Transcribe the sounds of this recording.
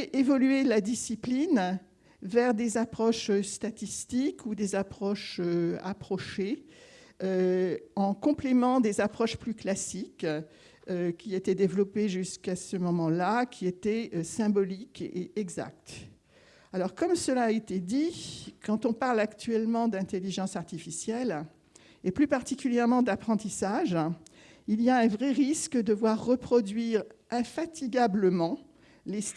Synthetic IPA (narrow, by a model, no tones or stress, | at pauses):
ɛʔevɔlyelad̪isiplin | vɛʁd̪ezapχɔʃøst̪at̪ist̪ikʰud̪ezapχɔʃøa̰pχɔʃe | øɑ̃kɔ̃plemɑ̃d̪ezapχɔʃplyklasik | økʲiet̪ɛd̪evlɔpeʒyskasəmɔmɑ̃lakʲʰiet̪ɛøsɛ̃bɔlikʔeɛɡza̰k̚t̪ | alɔʁkɔmsəlaːet̪ed̪ikʰɑ̃t̪ɔ̃paʁlakt̪ɥɛlmɑ̃d̪ɛ̃t̪eliʒɑ̃saʁt̪ifisjɛl | eplypaʁt̪ikʲyljɛʁmɑ̃d̪apχɑ̃t̪isaʒ | iliaɛ̃vʁɛʁiskd̪əvwaʁːəpχɔd̪ɥiʁ | ɛ̃fat̪iɡabləmɑ̃ | les